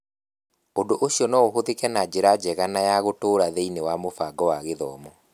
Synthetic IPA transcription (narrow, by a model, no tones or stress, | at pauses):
odoʔoɕiɔnɔoɦoðekɛnad͡ʑeɾad͡ʒɛɣanajaɣotoːɾaðeinewamofaɡɔwaɣeðɔmɔ